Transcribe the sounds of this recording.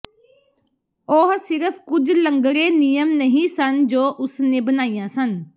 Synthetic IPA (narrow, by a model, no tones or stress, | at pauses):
oɦsɪɾəpʰkʊd͡ʒləŋɡɾeːnijəmnəɦĩːsənd͡ʒoːʔʊsnẽːbənaːijãːsən